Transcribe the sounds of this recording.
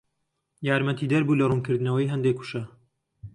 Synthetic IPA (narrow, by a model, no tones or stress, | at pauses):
jaːɾmɐt̪ʰiːd̪ɐɾbuːlɐrunkɨɾd̪ɨnɐwɐjɦɐnd̪eːkʰːu̥ʃɐ